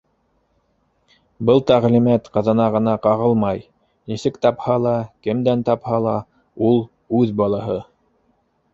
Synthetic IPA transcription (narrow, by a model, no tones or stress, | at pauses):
bɤlˠt̪æʁlimæt̪qɤ̆ðɤ̆nɑʁɤ̆nɑqɑʁɤlˠmɑj | nisɘkt̪ɑphɑlˠɑkɘ̆md̪ænt̪ɑphɑlˠɑ | ulˠ | ʉðbɑlˠɑɦɤ